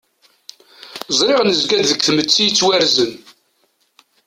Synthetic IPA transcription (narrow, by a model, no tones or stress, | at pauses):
zˤɾɪʁnəzɡæd̪ðəkːθmət͡sːijət͡sːwæɾzən